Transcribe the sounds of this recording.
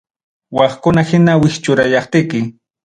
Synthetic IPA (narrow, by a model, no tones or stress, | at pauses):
wɑχkʊnahɪnawɪxt͡ʃʊɾajɑχt̪ɪkɪ